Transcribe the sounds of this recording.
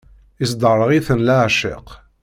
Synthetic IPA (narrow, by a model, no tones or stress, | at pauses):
isd̪ərˤːəʁiθənlaʕʃɪ̰q